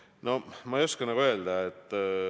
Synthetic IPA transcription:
nomɑjoskɑnɑɣoeld̪ɑet̪ː

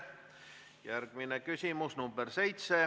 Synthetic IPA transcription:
jærɡ̥minekysʲimusnumberse̞jt̪se

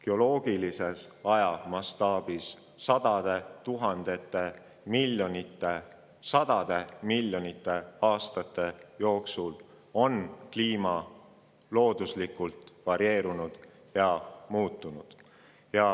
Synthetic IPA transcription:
keo̞lo̞ːɡ̥ilise̞sɑjɑmɑst̪ɑːb̥is | sɑd̪̥ɑd̪̥e̞t̪uɦɑnd̪̥e̞t̪ːˑe̞ | miljonit̪ːˑe | sɑd̪̥ɑd̪̥e̞milːjo̞nit̪ːˑe̞ɑːst̪ɑt̪ːˑe̞jo̞ːksul | o̞nkliːmɑ | lo̞ːd̪̥uslikult̪vɑɾie̞ːɾunud̪̥ | jɑmuːt̪ˑːunud̪̥ | jɑ

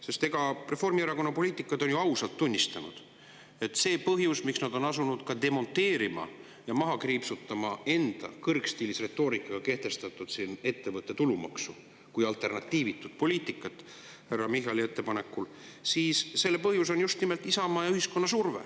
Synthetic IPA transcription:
se̞st̪e̞ɡ̥ɑre̞fo̞rmieɾɑko̞nːɑpo̞lʲiːt̪ːˑikːˑɑd̪̥o̞njuɑwsɑlt̪ːunʲːist̪ɑnṵd̪̥ | e̞t̪ːse̞ːpɤɦjusmiksnɑd̪̥o̞nɑsunud̪̥kɑd̪e̞mo̞nt̪ːˑe̞ːɾimɑ̰ | jɑmɑɦɑkriːpsut̪ːˑɑmɑe̞nd̪̥ɑ̰kɤrkst̪iːlisre̞t̪ːˑo̞ːɾikːˑɑɡ̥ɑke̞ht̪e̞st̪ɑt̪ːˑud̪̥sine̞t̪ːe̞vɤt̪ːˑe̞t̪ulumɑ̰ksu | kujɑlt̪e̞rnɑt̪ːˑiːvit̪ːud̪̥̚po̞liːt̪ˑikːˑɑt̪ːˑ | hærːɑmiɦɑlie̞t̪ːˑepɑne̞kːulsiːsːe̞lːepɤɦjuso̞njust̪nimelt̪ːisɑmɑːjyhisko̞nːɑsurve̞̰

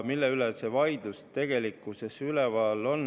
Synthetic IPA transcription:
milːeylesevɑjd̪̥lust̪e̞ɡ̥e̞likˑːusesylɛvɑlːo̞n

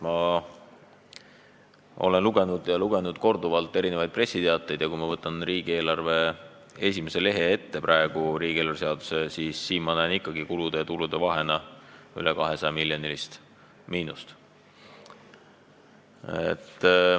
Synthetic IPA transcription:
mɑ | o̞̰le̞nluɡe̞nud̪jɑluɡ̥e̞nud̪̥ko̞rd̪uvɑlt̪ːˑe̞ɾine̞vɑjd̪̥̚pre̞sːit̪eɑt̪ːˑejd̪̥jɑkujmɑvɤt̪ːˑɑnriːɡ̥ie̞ːlɑrve̞ | e̞sʲime̞se̞le̞ɦe̞e̞t̪ːe̞prʔɑe̞ɡ̥uɾiːɡ̥ielɑrvseɑd̪̥use̞siːsːiːnmɑnæjnikːˑɑɡikulud̪̥et̪ulud̪̥e̞vɑɦe̞nɑylekɑɦe̞sɑjɑmiljonilist̪ | miːnust̪ | ḛt̪ˑː

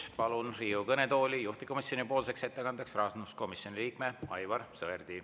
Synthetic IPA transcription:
pɑlunriːukɤnet̪o̞ːlʲijuht̪iko̞misjo̞nipo̞ːlse̞kse̞t̪ːekɑnd̪ɑksrɑːsnusko̞misjo̞niliːkmeɑjvɑrsɤerd̪̥i

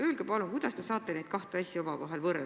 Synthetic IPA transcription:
øːlɡ̥epɑluŋkujd̪̥ɑst̪e̞sɑːt̪ːˑe̞nejd̪̥̚kɑht̪eɑsʲiomɑvɑ̰ɦe̞lvɤrɾe

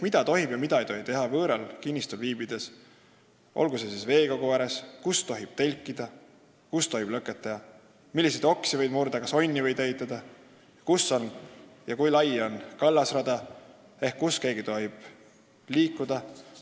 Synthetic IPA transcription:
mid̪̥ɑt̪o̞ɦibjɑmid̪ɑejt̪o̞ɦit̪e̞ɦɑvɤːɾɑlkinʲːist̪ulviːbid̪̥e̞s | ʔo̰lɡ̥usesisve̞ːɡoɡoæɾeskust̪o̞ɦib̥̚t̪e̞lʲkˑːid̪̥ɑ | kust̪o̞ɦib̥lɤkːˑet̪ːˑɑjɑ | milːis̬e̞jd̪o̞ksivɤ̞jd̪murd̪̥ɑkɑso̞nʲːivɤ̞jd̪eɦit̪ːˑɑd̪̥ɑ | jkusːo̞njɑkujlɑjo̞nkɑlːɑsrɑd̪ɑ | e̞hkːuske̞ːɡ̥it̪o̞ɦib̥ | liːkːˑud̪̥ɑ

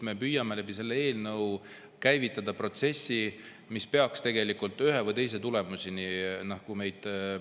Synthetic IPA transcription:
me̞pyjːɑmelæbise̞lːee̞ːlnɤw | kæjvit̪ˑːɑd̪ɑpro̞t̪se̞sʲːi | mispe̞ɑkst̪e̞ɡe̞likˑult̪ːˑyɦe̞vɤjt̪e̞js̬e̞t̪ule̞musininɑhkume̞jd̪̥

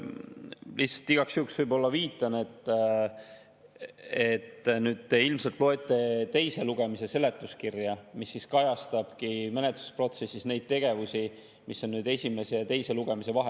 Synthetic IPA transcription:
lihtsɑ̥lt̪ːiɡ̥ɑksjuːksvɯjbo̞lːɑviːt̪ˑːɑnet̪ː | e̞t̪ːnyːd̪̥̚t̪e̞ilmselt̪ˑlo̞e̞t̪ːˑe̞t̪e̞jse̞luɡ̥e̞mise̞se̞le̞t̪ːˑuskirjɑmisːiskɑjɑst̪ɑb̥kime̞net̪lu̥spro̞t̪sesʲːisne̞jd̪̥̚t̪e̞ɡ̥e̞vusʲi | misːo̞nːyːd̪e̞sʲime̞se̞t̪e̞jse̞luɡ̥e̞mise̞vɑɦe

